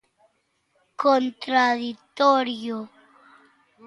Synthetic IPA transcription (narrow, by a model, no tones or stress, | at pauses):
kont̪ɾaðit̪oɾjo